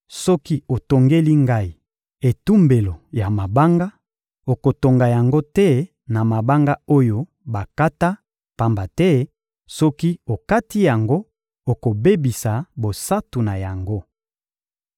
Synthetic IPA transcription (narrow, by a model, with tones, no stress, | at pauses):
sɔ˦ki˦o˨to˨ŋɡe˦li˦ŋɡa˦i˨ | e˨tu˦mbe˨lo˨ja˨ma˨ba˦ŋɡa˦ | o˨ko˨to˨ŋɡa˨ja˨ŋɡo˦tɛ˦ | na˨ma˨ba˦ŋɡa˦o˦jo˦ | ba˨ka˦ta˦ | pa˨mba˨tɛ˦ | sɔ˦ki˦o˨ka˦ti˦ja˨ŋɡo˦ | o˨ko˨be˦bi˨sa˨bo˨sa˦tu˨na˨ja˨ŋɡo˦